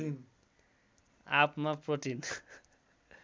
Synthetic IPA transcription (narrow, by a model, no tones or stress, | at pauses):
in | a̰pmapɾoʈin